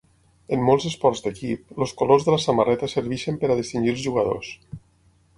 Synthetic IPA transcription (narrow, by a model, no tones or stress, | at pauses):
əmːolˠzəspɔɾzd̪əkip̚loskolozðəlasamarɛt̪asəɾβiʃəmpəɾaðist̪inʲd͡ʒilˠzʒuɣəðo̰s